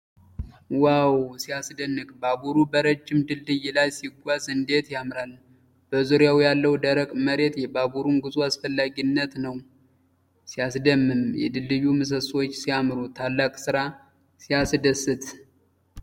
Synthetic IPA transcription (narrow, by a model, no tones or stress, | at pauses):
wawsijasd̪ənːɨkʼbabuɾubəɾəd͡ʒːɪmd̪ɨld̪ɨjɪlajsiɡʷazɨnd̪e̞t̪jamɾal | b̥əzuɾjawjalːəwd̪əɾəkʼməɾe̞t̪jɛbabuɾunɡɨzʼuasfəlːaɡinːət̪nəw | sijasd̪əmːɨmjɛ̰d̪ɨlːɨjumɨs̬əswot͡ʃːsijamɾut̪ʰalːakʼsɨɾa | sijasd̪əsːɨt̪